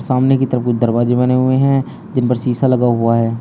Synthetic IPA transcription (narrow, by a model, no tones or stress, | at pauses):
saːmnekit̪əɾəfkʊt͡ʃʰd̪ɐɾbaːd͡ʒebɐneɦʊeɦɛ̃ | d͡ʒɪnpəɾsiːsalɐɡaɦʊaɦɛː